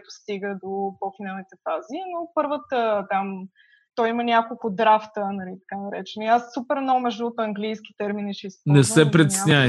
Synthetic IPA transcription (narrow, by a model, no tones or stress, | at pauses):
t̪ʊ̥st̪iɡəd̪opɔfinalˠnit̪ɛfazinopəɾvət̪ət̪am | t̪ɔjimənʲjakolˠkʊd̪ɾaft̪ənɐlit̪ɐ̥kanɐɾɛ̰t͡ʃɛnʊiasːupɛɾmnɔɡʊmɛʒd̪uːt̪ɐŋɡlijsk̟ʲi̥t̪ɛɾminiʃisnɛsɛpɾɛt̪snʲaɛ